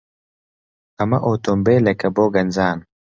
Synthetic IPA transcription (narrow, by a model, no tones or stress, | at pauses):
ɐmɐʔoːt̪ombeːlɐkɐboːɡɐnzaːn